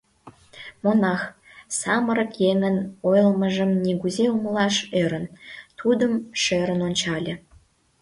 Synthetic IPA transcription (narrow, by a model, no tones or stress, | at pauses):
monɑx | sɑmə̆ɾə̆kjeŋə̆nojəlmə̆ʒə̆mnʲiɣuzeuməlɑʃøɾə̆nt̪ʰud̪ə̆mʃeɾə̆nonʲt͡ɕɑlʲĕ